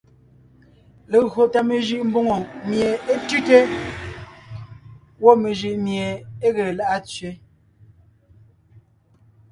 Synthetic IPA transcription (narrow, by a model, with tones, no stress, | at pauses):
le˨ɣɰo˨ta˨me˨ʒɯ˦ʔm̩˦bo˦ŋo˨mje˨e˦tʉ˦te˦ | wɔ˦˨me˨ʒi˨ʔmje˨e˦ɣe˨e˨la˦ʔa˦t͡sɥe˨˦